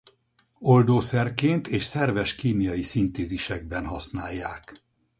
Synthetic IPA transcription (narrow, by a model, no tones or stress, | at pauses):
o̞ld̪oːsɛrkeːnt̪eːʃsɛrvɛʃkiːmijɒjisint̪eːziʃɛɡ̚bɛnɦɒsnaːjːaːk